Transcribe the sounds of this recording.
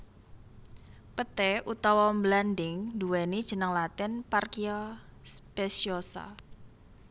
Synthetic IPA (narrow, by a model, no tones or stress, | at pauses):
pət̪ɛut̪ɔwɔmblandɪŋduwɛnid̥ʒ̥ə̤nəŋlat̪ɪnparkiɔspɛsiosa̰